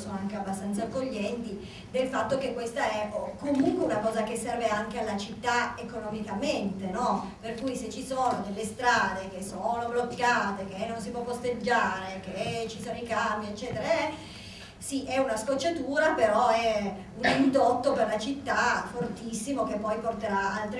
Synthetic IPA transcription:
sonoaŋkeabːast̪ant̪sakːoʎːɛnt̪i | d̪elfat̪ːok̟ekːwest̪aɛokomuŋkweunakɔːzakesːɛrveaŋk̟ealːat͡ʃit̪ːaekonɔmikament̪enɔperkujset͡ʃːisoːnod̪elːest̪ɾaːd̪ek̟esːoːnoblokːaːt̪ek̟enːons̬ipwɔfɔst̪ed͡ʒːaːɾek̟et͡ʃisoːnoikambiet͡ʃːɛːt̪eɾaɛ | siʔɛunaskot͡ʃːat̪uːɾapeɾɔɛ | unind̪ot̪ːoperlat͡ʃit̪ːafort̪isːimok̟epːɔjport̪eɾaalt̪ɾ

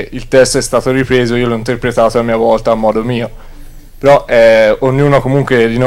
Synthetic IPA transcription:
ilt̪ɛst̪oɛst̪aːt̪oripɾeːzoiːolɔint̪erpɾet̪aːt̪oamːiːavɔlt̪aːmːɔːd̪omiːo | peɾɔɛoɲːuːnokomuŋkwed̪ino

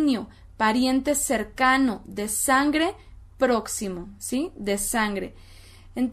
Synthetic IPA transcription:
njo | paɾjent̪eseɾkanoðesaŋɡɾe | pɾoksimosiðesaŋɡɾḛ | ent̪

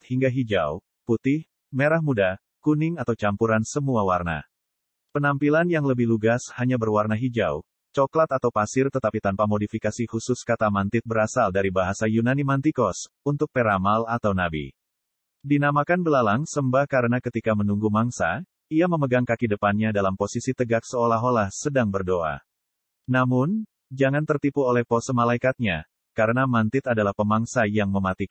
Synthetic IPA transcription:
t̪hiŋɡaɦid͡ʒa̰w | put̪ɪh | meɾahmuda | kunɪŋat̪awt͡ʃampuɾansəmuawarna̰ | pənampilanjaŋləbɪhluɡashaɲabərwarnaɦid͡ʒa̰w | t͡ʃɔklat̪at̪awpasɪrt̪ət̪apit̪anpamodifikasihusʊskat̪amant̪ɪt̪̚bəɾasaldaɾibaɦasajunanimant̪ikɔs | unt̪ʊk̚peɾamalat̪awnabḭ | dinamakanbəlalaŋsəmbahkaɾənakət̪ikamənuŋɡumaŋsa | iaməməɡaŋkakidəpanɲadalamposisit̪əɡak̚səolaɦolahsədaŋbərdoʔa̰ | namʊn | d͡ʒaŋant̪ərt̪ipuolɛhpɔsəmalaikat̪̚ɲa | kaɾənamant̪ɪt̪adalahpəmaŋsajaŋməmat̪i

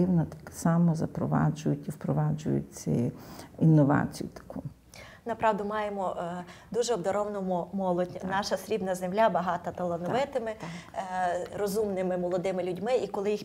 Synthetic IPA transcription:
ɪwnɐɔt̪ksɑmɔzɐpɾɔʋɑ̰d͡ʒʊjʊtʲiwpɾɔʋɑd͡ʒʊ̰jʊ̰t͡sʲɪ̰inːɔʋɑ̰t͡sʲijʊt̪ɐ̥kʰu | nɐpɾɑʋd̪ʊmɑjemɔd̪uʒɛɔbd̪ɐɾɔwnɔmʊmɔlˠɔdʲnɑʃɐsɾʲibnɐzemlʲabɐɦɑt̪ɐt̪ɐlˠɐnɔʋɪt̪ɪmɪ | rɔzumnɪmɪmɔlˠɔd̪ɪmɪlʲudʲmɪikɔlˠɪjix

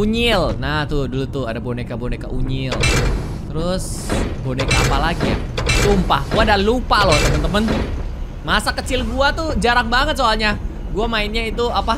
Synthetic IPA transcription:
uɲɪlnaht̪ʊdulut̪ʊadabonekaboneka̰ʔuɲɪl | t̪əɾʊs | bonekaːpalaɡija̰ | sumpahɡuadalupaloht̪əmənt̪əmən | masakət͡ʃɪlɡuat̪ud͡ʒaɾaŋ̚baŋət̪̚soalɲa | ɡuamaɪnɲait̪uapa

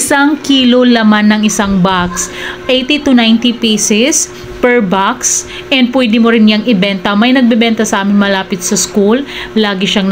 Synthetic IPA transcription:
saŋkiːlo̞lɐmanːɐŋɪsaŋbaksʔejt̪it̪unajnt̪ipisɪs | pɛɹbaks | ʔɛnd̪̚pwɛd̪ɪmoɾɪnjaŋʔɪbɛnt̪ɐmɐjnɐɡ̚bɛbɛnt̪ɐsɐʔaːmɪnmɐlaːpɪt̪̚sɐskulːaːɡɪʃaŋn

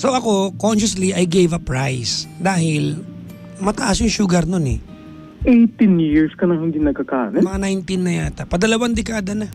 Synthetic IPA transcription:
soɐko̞konʃɐsliʔɐjɡejvɐpɹajsd̪aːhɪl | mɐt̪ɐʔasjʊŋʃʊɡaɾnonɛ̰ | ʔɛjt̪ɪnjɪɹskɐnɐŋhɪnd̪inɐɡ̚kɐka̰ːnɐmmɐŋanajnt̪ɪnːɐjaːt̪ɐpɐd̪ɐlɐwand̪ɛkaːd̪ɐna

